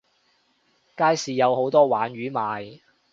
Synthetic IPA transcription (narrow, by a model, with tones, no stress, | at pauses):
kaː˥jsiː˨jɐ˨˧who˨˥wt̪ɔː˥waː˨˥nɥyː˨˥maː˨j